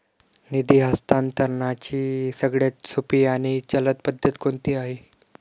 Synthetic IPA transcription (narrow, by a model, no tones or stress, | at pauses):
nid̪iːɦəst̪ant̪əɾɳat͡ɕiːsəɡɽjat̪supiːaɽ̃it͡ɕələt̪̚pəd̪ʱjət̪kont̪iːaɦi